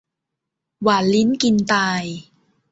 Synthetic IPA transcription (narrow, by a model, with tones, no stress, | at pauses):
waː˨˩nli˦˥nki˧nt̪aː˧j